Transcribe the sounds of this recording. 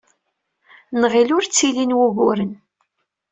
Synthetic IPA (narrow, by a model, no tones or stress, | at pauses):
nʁilʊɾt͡sːilinwuɣʊɾən